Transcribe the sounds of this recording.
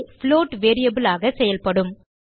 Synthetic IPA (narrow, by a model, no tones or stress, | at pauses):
fɪloːʈʋeːɾɪjɐbɪlaːɣɐsɛjɐlpɐɽɯm